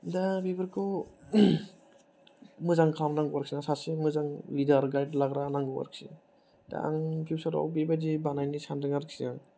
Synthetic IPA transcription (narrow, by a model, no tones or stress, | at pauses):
dabibɯɾkʰɔ | mɯzaŋkʰamnaŋɡwaɾksinasasimɯzaŋlidaɾɡajdlaɡɾanaŋɡɯwa̰ɾk̚sḭ | d̥a̰a̰ŋpʰjusaɾɔ̰wbebadibanajnisandɯŋaɾk̚siaŋ